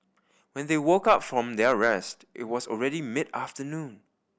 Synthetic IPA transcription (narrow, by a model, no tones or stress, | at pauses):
wɛ̃nðewokaʊtfɹɔ̃md̪ɛɹɛstʔɪ̰t̚wɔsɔlɹɛɾimɪdaftənũn